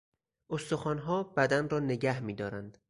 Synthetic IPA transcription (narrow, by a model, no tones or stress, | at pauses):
ʔost̪o̞xɒːnɦɒːbæd̪ænrɒːne̞ɟæhmiːd̪ɒːɾænd̪̥